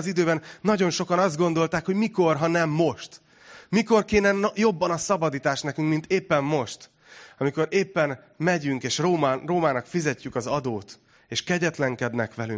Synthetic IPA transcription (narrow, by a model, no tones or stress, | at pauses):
zid̪øːbɛnːɒɟo̞nʃo̞kɒnɒzd̪ɡo̞nd̪o̞lt̪aːkho̞ɟmiko̞rɦɒnɛmːo̞ʃt̪ | miko̞rkeːnɛnjo̞bːɒnɒsɒbɒd̪iːt̪aːʃt̪nɛkyŋkmint̪eːpːɛmːo̞ʃt̪ | ɒmiko̞ɾeːpːɛn | mɛɟyŋkeːʃroːmroːmaːnɒkfizɛcːykɒzɒd̪oːt̪ | eːʃkɛɟɛt̪lɛŋkɛd̪nɛkʋɛly̰ŋ